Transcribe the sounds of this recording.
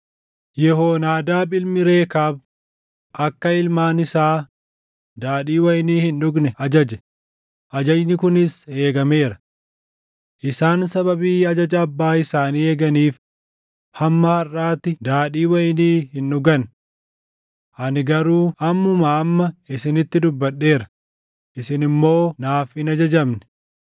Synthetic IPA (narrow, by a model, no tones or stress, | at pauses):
jɛɦoːnaːd̪aːbɪlmɪɾe̞ːkaːb̚ | ʔɐkːɐɪlmaːnɪsaː | d̪aːɗiːwɐjniːhɪnʊɡnɛʔɐd͡ʒɐd͡ʒɛ | ʔɐd͡ʒɐd͡ʒnɪkʊnɪse̞ːɡɐme̞ːɾɐ | ʔɪsaːnsɐβɐbiːɐd͡ʒɐd͡ʒɐːbːaːɪsaːniːeːɡɐniːf | hɐmːɐhɐrːaːt̪ːɪd̪aːᶑiːwɐjniːhɪnːʊɡɐn | ʔɐnɪɡɐɾuːʔɐmːʊmaːɐmːɐɪsɪnɪt̪ːɪd̪ʊbːɐɗːe̞ːɾɐ | ʔɪsɪnɪmːo̞ːnaːfɪnɐd͡ʒɐd͡ʒɐmnɛ̥